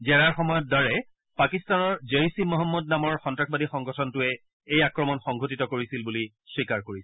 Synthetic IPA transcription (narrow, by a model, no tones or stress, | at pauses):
zɛɹaɹxɔmɔjɔt̚daɹɛ | pakistanɔɹzeisimɔɦɔmːɔd̚namɔɹxɔntɹakbadixɔŋɡʱɔtʰɔntʊɛ | ejakɹɔmɔnxɔŋɡʱot̬itɔkoɹisilbuli | swikaɹkoɹisɛ